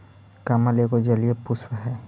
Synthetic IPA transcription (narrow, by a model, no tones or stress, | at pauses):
kamalekod͡ʒəliepʊswɦɛː